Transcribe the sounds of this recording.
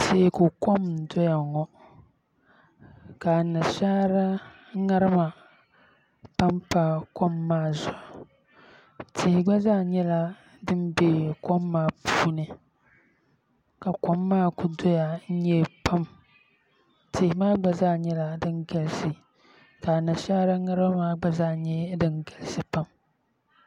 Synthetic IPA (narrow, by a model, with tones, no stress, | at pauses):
te˨˦˨ko˨ko˦m̩˨dɔ˦ja˨ŋɔ˦ | ka˨nɨ˨ʃaː˦ɾa˦ | ŋa˦ɾɨ˦ma˨ | pa˦mpa˦ko˦mːaː˦˨za˨ | tʰe˨hɪ˨ɡ͡ba˦zaː˦ɲɛ˦la˦ | dɨ˦nbeː˦ko˦mːaː˦pʰuː˦nɨ˨ | ka˨ko˦mːaː˦˨ku˨do˦ja˨n̩˦ɲɛ˦pʰa˦m | tʰɪ˨hɪ˨˦maː˦ɡ͡ba˨zaː˦ɲɛ˦la˦dɨ˦nɡa˨lsɨ˨ | ka˨na˨ʃaː˦ɾa˦ŋa˦ɾba˦maː˦ɡ͡ba˦zaː˦ɲɛ˦dɨ˦nɡa˨lɨ˦sɨ˨pa˦m